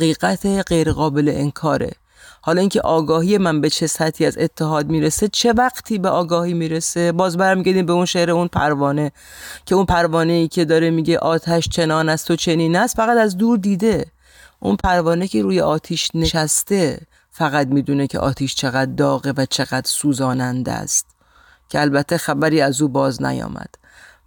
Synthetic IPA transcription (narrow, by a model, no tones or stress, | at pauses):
iːɣæt̪ʰeɢe̞jɾeɣɒːbe̞lḛʔenkʰɒːɾḛ | hɒːlɒiŋcʰe̞̰ʔɒːɡɒːɦije̞mænbe̞t͡ʃʰe̞sæt̪ʰiːæze̞t̪ʰːeɦɒːd̪̚miːɾese̞t͡ʃʰe̞væɡt̪ʰiːbeʔɒːɡɒːhiːmiːɾese̞bɒːzbæɾmiɡæɾd̪imbeunʃeɾeunpʰæ̰ɾvɒːne | cʰe̞unpʰæɾvɒːne̞iːcʰe̞d̪ɒːɾemiːɟe̞ʔɒːt̪ʰæʃt͡ʃʰe̞nɒːnæst̪o̞t͡ʃʰe̞niːnæst̪fæɣæt̪æzd̪uːɾd̪iːd̪e̞ | ʔṵnpʰæɾvɒːnecʰeɾuːjḛʔɒːt̪ʰiːʃne̞ʃæst̪e̞ | fæɣæd̪miːd̪uːnecʰeʔɒ̰ːt̪ʰiːʃt͡ʃʰe̞ɣæd̪̚ːɒːɣevæt͡ʃʰe̞ɣæd̪ɾsuːzɒːnænd̪æ̰st̪ | cʲʰeælbæt̪ʰːe̞xæbæɾiːæzuːbɒːznæ̰jɒ̰ːmæ̰d̪̥